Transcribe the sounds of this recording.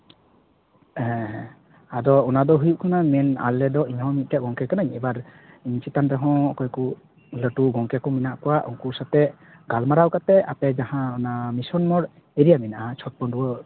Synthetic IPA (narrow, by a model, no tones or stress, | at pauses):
ɛ | ad̪ɔːnad̪ɔɦujuʔ̚kʰanamɛna̰lːɛd̪ɔʔiɲhɔ̃mit̪̚t̪ɛʔ̚ɡɔŋkɛkanaɲɛbaɾ | iɲt͡ʃʰit̪anɾɛɦɔ̃ɔkɔjku | ləʈuɡɔŋkɛkɔminaʔkɔwaʔɔ̰ŋkusat̪ɛ | ɡalmaɾawkat̪ɛapɛd͡ʒahãɔnamisɔnmɔɽ | ɛɾijamɛnaʔat͡ʃʰɔt̚pɔɳɖuwə